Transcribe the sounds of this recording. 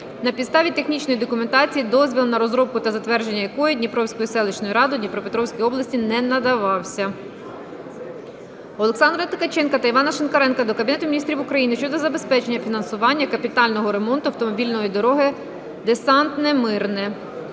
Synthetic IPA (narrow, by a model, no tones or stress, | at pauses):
nɐpʲid̪st̪ɑʋʲit̪exnʲit͡ʃnɔjid̪ɔkʊment̪ɑt͡sʲijːid̪ɔzʲʋʲilˠnɐɾɔzɾɔb̚kʊt̪ɐzɐt̪ʋɛrʒe̞nʲːɐjɐkɔjɛd̪ʲnʲipɾɔwsʲkɔjisɛlˠɪt͡ʃnɔjiɾɑd̪ʊdʲnʲipɾɔpet̪ɾɔwsʲkʲijɔblˠɐsʲtʲinɛnɐd̪ɐʋɑwsʲɐ | ɔlˠeksɑnd̪ɾt̪ɪkɐt͡ʃɛnkɐt̪ɐiʋɑnɐʃɪnkɐɾɛnkɐd̪ɔkɐbʲnɛt̪ʊmʲinʲist̪ʲɾʲiʋʊkɾɐjinɪʃt͡ʃɔd̪ɔzɐbespɛt͡ʃe̞nʲːɐfʲinɐnsʊʋɑnʲːɐkɐpʲit̪ɑlʲnɔɦɔɾe̞mɔnt̪ʊɐwt̪ɔmɔbʲilʲnɔjid̪ɔɾɔɦɪ | d̪esɑnt̪nɛmɪrnɪ